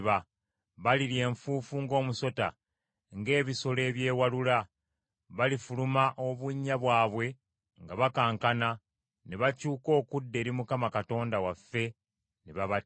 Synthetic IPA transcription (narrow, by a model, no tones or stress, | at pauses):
βa | βaliɾje̞ːɱfuːfuŋɡo̞ːmuso̞ta | ŋɡe̞ːβiso̞le̞ːβje̞ːwalula | βalifulumaʔo̞βuɲːaβwaːβwe̞ | ŋɡaβakaːŋkana | neβacuːko̞ːkudːe̞ːɾimukamakato̞ːndawafːe̞ | neβaβa